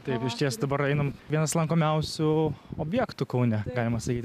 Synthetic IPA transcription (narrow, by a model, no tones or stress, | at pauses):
t̪ɐɪpɪʃʲt̪ʲiɛsd̪ɐbɐɾɛɪnɐmʋʲiɛnɐslˠɐŋkoːmʲɛʊsʲʊoːbʲjæːkt̪ʊkɐʊnʲɛɡɑːlʲɪmɐsɐkʲiːt̪ʲ